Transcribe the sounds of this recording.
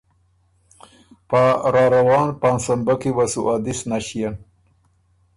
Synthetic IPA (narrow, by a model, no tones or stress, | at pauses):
paɾɑɾawɑːnpansambakewasṵʔɑd̪isnaʃijan